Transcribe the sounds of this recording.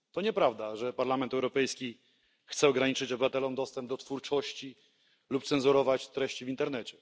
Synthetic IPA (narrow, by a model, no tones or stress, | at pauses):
t̪ɔɲɛpɾavd̪aʐɛpaɾlamɛnt̪ɛwɾɔpɛjskʲi | xt̪sɛɔɡɾaɲit͡ʂɘt͡ɕɔbɘvat̪ɛlɔmd̪ɔst̪ɛmb̚d̪ɔt̪fuɾt͡ʂɔɕt͡ɕi | lupt̪sɛnzuɾɔvat͡ɕt̪ɾɛɕt͡ɕivʲint̪ɛɾnɛt͡ɕɛ